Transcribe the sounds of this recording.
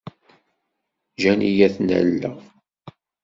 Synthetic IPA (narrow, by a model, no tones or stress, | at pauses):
ʒænijæθnæ̰lːə̰ʁ